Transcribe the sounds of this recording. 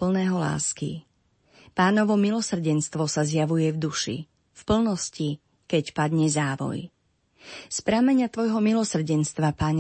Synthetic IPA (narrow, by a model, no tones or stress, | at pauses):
pl̩nɛːɦɔla̰ːskḭ | paːnɔʋɔmilɔsr̩ɟɛnst̪ʋɔsazjaʋujɛvd̪uʃḭ | fpl̩nɔsci | kɛcpad̪ɲɛzaːʋɔ̰j | spɾaːmɛɲɪat̪ʋɔjɦɔmilɔsr̩ɟɛnst̪ʋapaːɲ